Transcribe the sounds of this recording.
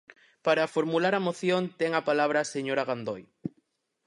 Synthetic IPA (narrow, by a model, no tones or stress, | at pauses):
paɾafoɾmulaɾamoθjont̪ɛŋapalaβ̞ɾaseɲoɾaɣand̪oj